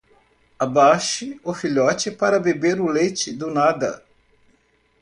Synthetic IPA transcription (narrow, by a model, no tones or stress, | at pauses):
abaʃɪʊfiʎɔt͡ʃɪpaɾɐbebeɾʊlejt͡ʃɪd̪ʊnad̪ɐ̰